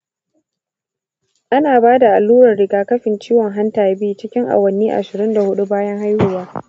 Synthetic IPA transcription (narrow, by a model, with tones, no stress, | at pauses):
ʔa˦naː˨baː˦da˨ʔa˨lːuː˦ɾɐ˨rɽɪ˨ɡaː˦kɐ˦ɸɪ˨nt͡ʃiː˦wɔ˨ŋɦa˦ntaː˨jbiː˦t͡ʃɪ˦kʲɪ˦ŋʔa̰˨wɐ˨nːiː˦ʔa̰˨ʃɪ˨ɾɪ˦nda˨hʊ˦ɗu˦baː˦jɐ˦ŋɦa˦jhʊ˦˨waː˦